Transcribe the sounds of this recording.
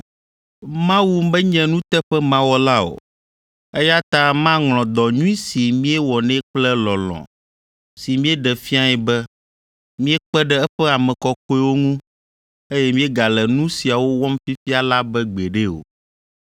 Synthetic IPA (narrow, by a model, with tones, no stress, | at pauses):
mã˦wu˦m˦bɛ˦ɲɛ̃˨nũ˦t̪ɛ˦ɸɛ˦mã˦wɔ˦la˦o̰˨ | e˦ja˦t̪ã˦mã˦ŋlɔ̃˨d̪ɔ˨ɲũ˦i˦si˨mĩ˦ɛ˦wɔ˨nɛ̃˦k͡plɛ˦lɔ˨lɔ̰̃˨ | si˨mĩ˦ɛ˦ɖɛ˨fi˦a˨jɛ˨bɛ˦ | mĩ˦ɛ˦k͡pɛ˦ɖɛ˦ɛ˦ɸɛ˦a˨mɛ̃˨kɔ˦kɔ˦ɛ˦wo˦ŋũ˦ | e˦jɛ˦mĩ˦e˦ɡa˨lɛ˨nũ˦si˨a˨wo˦wɔ˦mfi˦fi˦a˨la˦bɛ˦ɡ͡be˨ɖe˦o̰˨